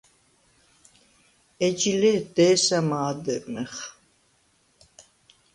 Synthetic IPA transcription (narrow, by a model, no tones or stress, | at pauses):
ɛd͡ʒilɛd̪ɛːsamaːd̪ɨɾmɛχ